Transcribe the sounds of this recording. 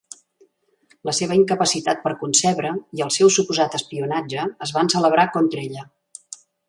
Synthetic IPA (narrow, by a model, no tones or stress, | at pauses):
ləseβəiŋkəpəsit̪at̪̚pəɾkunsɛβɾəiəlˠsɛwsupuzat̪əspiunad͡ʒəːzβansələβ̞ɾakɔnt̪ɾeʎə